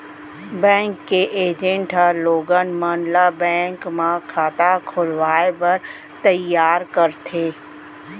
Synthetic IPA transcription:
bɛ̃ːŋkːeʔeːd͡ʒẽɳʈəloːɡənmaːnlabɛ̃ːŋkmãkʰaːt̪akʰʊlʋaːepɐɾ | t̪ɐjːaːɾkəɾt̪ʰeː

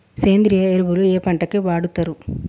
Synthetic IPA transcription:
seːnd̪ɾijɐeɾbulueːpɐɳʈɐkeʋaːɽut̪ːɐɾu

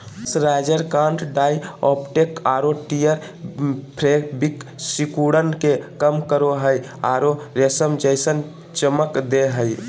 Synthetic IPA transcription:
sɾad͡ʒəɾkãɳʈʰɖaiɔpʈekaɾoʈijəɾ | pʰɾeɡbiksikuɽənkekəmkəɾoɦəj | a̰ɾoɾesəmd͡ʒəɪsən | t͡ʃəməkd̪eɦəj

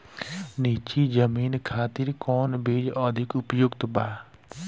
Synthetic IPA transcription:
niːt͡ʃid͡ʒəmiːnkʰaːt̪ɪɾkɔːnbʱeːd͡ʒɔːd̪ʱɪkʊpjoːɡt̪baː

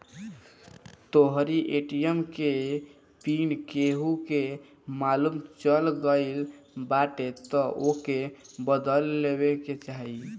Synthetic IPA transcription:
t̪oɦɾiʔeʈijəmke | pinkeɦuke | malumt͡ʃəlɡəɪlbaʈet̪ɔʔokebəd̪əlːebeket͡ʃaɦi

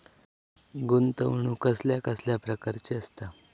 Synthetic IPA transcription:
ɡunt̪əʋɳukəsljakəsljapɾəkaɾt͡ɕeəst̪a

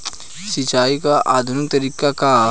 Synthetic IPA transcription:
sɪt͡ʃaːikaʔaːd̪ʱʊnɪk̚t̪ɐɾiːkaka

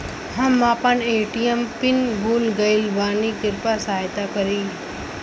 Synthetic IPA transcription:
ɦãmãːpɐneːʈiempɪnɡuːlɡɐɪlʋaːniɡɪɾpasaːɦjt̪akɐɾiː

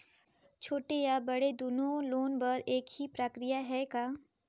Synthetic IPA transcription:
t͡ʃʰoːʈejabɐɽed̪unõloːnbɐɾeːkhipɾəkɾɪjaɦɛkaː

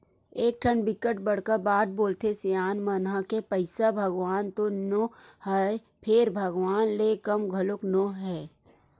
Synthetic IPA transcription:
eːk̚ʈʰənbɪkəʈbəɽ̤kəɾbaːd̪̚boːlt̪esejaːnmənɦakepəɪsabʱəɡʋaːnt̪onohə | pʰɪɾbʱəɡʋaːnleːkɐmɡʱɐlʊknoɦɛː

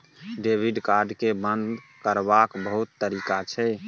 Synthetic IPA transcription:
ɖebʱiɖkaɾɖkebənd̪kəɾbakbəɦut̪ːəɾikat͡ʃʰɛ

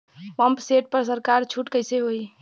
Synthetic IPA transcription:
pəmpseʈ̚pəɾs̬əɾkaɾt͡ʃʰuʈkəɪseɦoj

